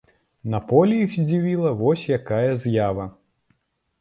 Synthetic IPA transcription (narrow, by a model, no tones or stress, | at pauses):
nɐpɔlʲijiwzʲd͡zʲivʲilˠɐvɔsʲjakajɐzʲjavɐ